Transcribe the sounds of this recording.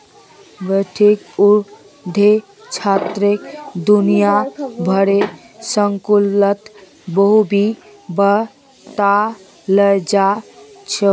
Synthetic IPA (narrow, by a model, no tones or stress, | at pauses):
ʋəʈʰiku | d̪ʱe | t͡ʃʰat̪ɾekd̪unijabʱəɾe | səŋkulət̪ | bəɦubʱi | bə | t̪a | ləjd͡ʒat͡ʃʰe